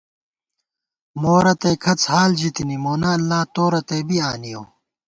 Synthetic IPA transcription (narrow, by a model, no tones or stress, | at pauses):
moːɾɐt̪eːkʰɐt͡shaːld͡ʑit̪inimoːnaɐlːaːt̪oːɾɐt̪eːbiaːnijoː